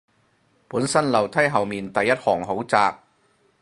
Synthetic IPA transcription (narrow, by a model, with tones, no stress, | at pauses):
puː˨˥nsɐ˥nlɐ˨˩wt̪ʰɐ˥jɦɐ˨wmiː˨nt̪ɐ˨jːɐ˥t̚hɔː˨˩ŋɦo˨˥wt͡saː˨k̚